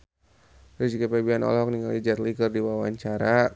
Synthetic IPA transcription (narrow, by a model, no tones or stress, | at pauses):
ɾɛd͡ʒikapabianɔ̰lɦɔk̚niŋalid͡ʒat̪likərdiwawaɲt͡ʃaɾa